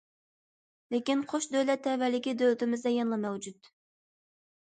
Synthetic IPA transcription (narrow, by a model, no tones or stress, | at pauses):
lɪkʲinqʰoʃd̪øjlɛt̪ʰːɛvælːɪkʲid̪ølt̪ɪmɪzd̪ɛjɑnlˠɑmɛwd͡ʒut̪